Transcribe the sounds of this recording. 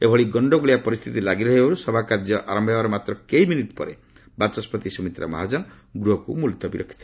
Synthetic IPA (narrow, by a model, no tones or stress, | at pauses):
ebʱɔɭiɡɔɳɖɔɡuɭijapɔɾist̪ʰit̪ilaɡiɾɔɦebaɾusɔbʱakaɾd͡ʒjɔʔaɾɔmbʱebaɾɔmat̪ɾɔkeiminiʈpɔ̰ɾḛ | bat͡ʃɔspɔt̪isɔmit̪ɾa̰ma̰ɦad͡ʒɔn | ɡɾuɦɔkṵmult̪ɔbiɾɔ̰kʰːi̥t̪ʰi